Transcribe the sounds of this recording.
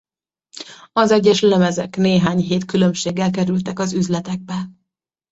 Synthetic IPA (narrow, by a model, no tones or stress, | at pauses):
ɒzɛɟːɛʃlɛmɛzɛkneːɦaːɲɦeːt̪kylø̞mʃeːɡːɛlk̬ɛɾylt̪ɛkɒzyzlɛt̪ɛɡ̚bɛl